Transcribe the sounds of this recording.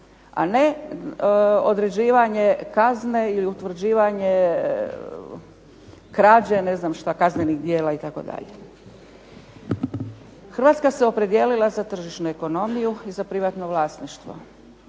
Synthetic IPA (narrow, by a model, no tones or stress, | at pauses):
a̰ne̞ | od̪ɾe̞d͡ʑiːʋaɲe̞kazne̞iliut̪ʋr̩d͡ʑiːʋaɲe | kɾaːd͡ʑene̞znamʃt̪akaznenixd̪jeːlait̪ako̞̰d̪a̰ʎe | xɾrʋat̪skaseo̞pɾe̞d̪jeːlilˠazat̪r̩ʒiʃnueko̞no̞mijuizapɾiʋat̪no̞ʋlˠaːsniʃt̪ʋo̰